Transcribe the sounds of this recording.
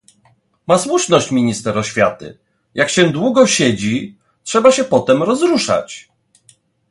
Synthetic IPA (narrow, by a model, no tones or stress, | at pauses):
maswuʂnɔɕt͡ɕmʲiɲist̪ɛɾɔɕfʲjat̪ɘ̰ | jakɕɛd̪wuɡɔɕɛd͡ʑi | tʂɛbaɕɛpɔt̪ɛmɾɔzɾuʂa̰t͡ɕ